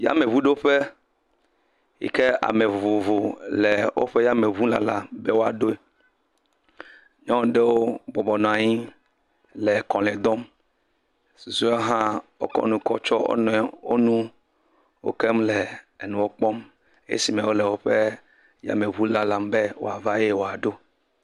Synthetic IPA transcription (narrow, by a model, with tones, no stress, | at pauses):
ja̰˦me˨βu˦ɖo˦ɸe˦ | jḭ˨ke˦a̰˨me˨vo˨vo˨vo˨le˨wo̰˦ɸe˦ja˦me˨vu˦la̰˦la˨mbɛ˦wo˦a˨ɖo˦e˦ | ɲɔ̃˦ɖe˦wo˦bɔ˨bɔ˨nɔ̃˨a˨ɲi˦ | le˨kɔ̃˨lɛ˨d̪ɔ˦m | su˨zu˦e˦ɦã˦wo̰˦kɔ̰˦nũ˨kɔ˦t͡ʃɔ˦o̰˦nɔ̃˦ɛ˨wo̰˦nũ˦ | wo̰˦ke˦mle˨nũ˨wo˦k͡pɔ˦m | ḛ˦ḛ˦si˨mɛ̃˨wo˦lɛ˨wo˦ɸe˦ | ja̰˦me˨βu˦la˨la˨mbe˦wo̰˨a˨va˦je˦wo˨a˨ɖo˦